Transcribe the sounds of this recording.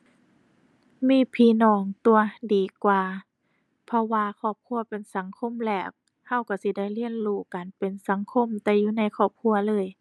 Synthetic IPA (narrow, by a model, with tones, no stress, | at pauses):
miː˧˥˨pʰiː˧˩˨nɔː˧˩ŋt̪u˧˩ɐdiː˨˩kwaː˧ | pʰɔ˧waː˧kʰɔː˧˩p̚kʰu˧˨ɐpe˨nsa˨˦ŋkʰo˧˥˨mlɛː˧˩k̚ | ha˧˥˩wka˧˩si˧˦da˧˩˨jli˧˥ənluː˧˩kaː˨npe˨nsa˨˦ŋkʰo˧˥˨mt̪ɛː˧juː˧˨na˧˥˨jkʰɔː˧˩p̚kʰu˧ɐlɤː˧˥˨j